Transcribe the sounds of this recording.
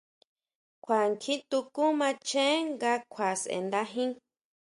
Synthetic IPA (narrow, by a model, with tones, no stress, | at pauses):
kʷʰa˨ŋkʰĩ˦t̪u˧ku˦mã˧t͡ʃẽ˦ŋɡa˧kʷʰa˨sḛ˨nd̪a˧ɦĩ˦